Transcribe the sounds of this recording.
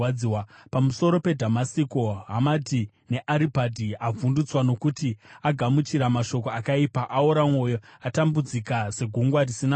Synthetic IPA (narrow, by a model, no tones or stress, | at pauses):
iwapamuso̞ɾo̞pe̞dʱamasiko̞ɦamati | ne̞ʔaɾibʱadʱiavundut͡swano̞kutiaɡʱamut͡ʃiɾamaʃo̞ko̞akaipaʔaoɾamwo̞joatambud͡zikase̞ɡʱuŋɡwarisina